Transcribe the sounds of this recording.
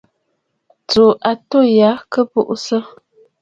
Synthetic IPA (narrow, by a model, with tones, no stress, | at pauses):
t͡so˨ʔa˨to˦˨ja˨˦kə˦bu˦ʔsə˦